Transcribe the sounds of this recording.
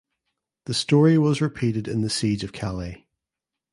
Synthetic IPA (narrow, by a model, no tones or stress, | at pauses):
ðəstɔɹiwʌzɹɪpʰiʔɪdɪ̰̃nðəsid͡ʒəv̥kʰalˠi